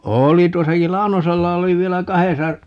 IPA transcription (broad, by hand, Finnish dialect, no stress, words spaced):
oːli tuosɑkil lɑu̞noselːɑ oli ʋielæ kɑhesɑ